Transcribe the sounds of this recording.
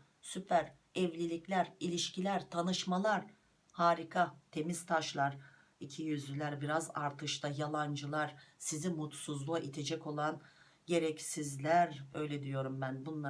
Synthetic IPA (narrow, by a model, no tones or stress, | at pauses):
sypʰæɾ | ɛvlʲilʲiclʲæɾilʲiʃcʰilʲæɾt̪ʰanɯʃmalˠaɾ̥ | haːɾikʰat̪ʰe̞mizt̪ʰaʃlˠaɾ̥ | icʰijyzlʲylʲæɾbiɾazaɾt̪ʰɯʃt̪ʰajalˠand͡ʒɯlˠaɾ̥sizimut̪suzlˠuaʔit̪ʰe̞d͡ʒɛco̞lˠan | ɟe̞ɾɛcsizlʲæɾø̞jlʲɛd̪ijo̞ɾumbænbunlˠa